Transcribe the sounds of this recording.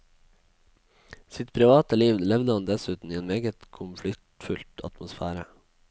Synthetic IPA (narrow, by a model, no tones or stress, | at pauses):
sɪt̪pʰɾɪʋɑːt̪əliːʋlɛʋd̪əhɑnd̪ɛsʉːt̪n̩iːeːnmeːɡət̪kʰʊmflɪk̚t̪fʉlt̪ʰɑ̰t̪mʊsfæːɾə̰